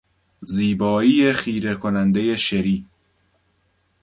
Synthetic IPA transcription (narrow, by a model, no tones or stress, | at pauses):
ziːbɒːiːjexiːɾekʰonænd̪ejeʃeɾiː